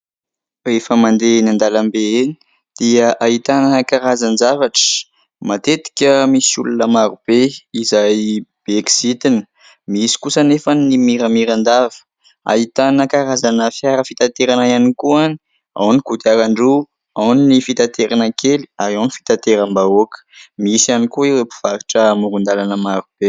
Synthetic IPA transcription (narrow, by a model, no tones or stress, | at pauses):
refəmand̪enand̪alambeeni̥ | d̪̥iəʔait̪anakaɾazanzavaʈ͡ʂə̥ | mat̪et̪i̥kʲəmisṵlunəmaɾub̥eizajb̥eksit̪inə̥ | miisi̥kusənefanimiɾəmiɾand̪avə̥ | a̰it̪anəkaɾazanəfjaɾəfit̪at̪eɾanaianikuani | a̰wnikud̪iaɾaɳɖ͡ʐu | awninifit̪at̪eɾʔanakʰeli̥aɾawnifi̥t̪at̪eɾambaokə̥miisanikuiwepu̥v̥aɾiʈ͡ʂəmuɾund̪alanəmaɾub̥e